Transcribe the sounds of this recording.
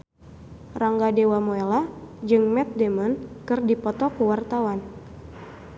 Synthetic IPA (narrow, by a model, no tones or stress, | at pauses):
raŋɡadewamoelad͡ʒɨŋmɛt̪̚dɛmɔnkɨrdipɔt̪ɔkuwart̪awan